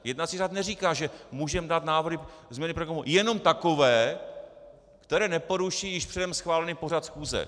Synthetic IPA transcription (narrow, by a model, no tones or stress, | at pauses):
jɛdnat͡siːraːt̪nɛriːkaːʒɛmuːʒɛmdaːt̪naːvrɾɪzmɲɛnɪpɾokomujɛno̞mt̪ako̞vɛː | kt̪ɛɾɛːnɛpo̞ɾuʃijɪʃpr̥ɛdɛmsxvaːlɛniːpo̞r̝at̪sxuːzɛ̰